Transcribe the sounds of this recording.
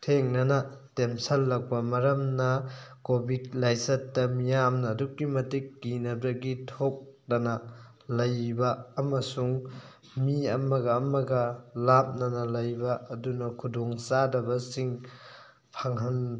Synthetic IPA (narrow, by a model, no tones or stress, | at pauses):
tʰeŋnɐnɐtemsɐlːɐk̚bɐmɐɾɐmnɐkobidlajsɐtːɐmijamnɐːdukːimɐtik̚ːinɐbɾɐɡitʰok̚nɐnɐ | lɐjbɐːmɐsuŋ | miɐmɐɡɐːmɐɡɐlap̚nɐnɐlɐjbɐʔːdunɐkʰudoŋsadɐbɐsiŋ | pʰaŋɦɐn